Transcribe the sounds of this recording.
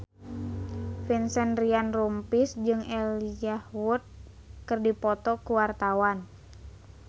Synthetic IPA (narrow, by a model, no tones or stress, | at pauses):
finsɛnrianrumpisd͡ʒɨŋɛliahwut̪̚ | kɨrdipɔt̪ɔkuwart̪awan